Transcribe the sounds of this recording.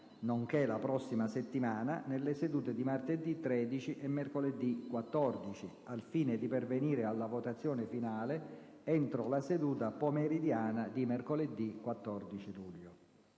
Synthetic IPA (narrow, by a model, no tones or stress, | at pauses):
noŋkelapɾɔsːimaset̪ːimaːna̰nelːesed̪uːt̪ed̪imart̪ed̪ːit̪ːɾɛːd̪it͡ʃiʔemːerkoled̪ːikwat̪ːɔrd̪it͡ʃi | alfiːnɪd̪iperveniːɾɪalːavot̪at̪sːjɔːnɪfinaːle | ɛnt̪ɾʊlased̪uːt̪apomeɾid̪jaːnad̪imerkoled̪ːikwat̪ːɔrd̪it͡ʃiluʎːo